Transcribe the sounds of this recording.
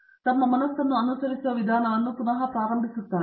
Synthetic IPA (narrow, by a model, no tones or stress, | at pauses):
t̪ɐmːɐmɐnɐsːɐnːuɐnusɐɾisuʋɐʋid̪ʱaːnɐʋɐnːukunɐɦɐpɾaːɾɐmbʱisut̪ːaːɾe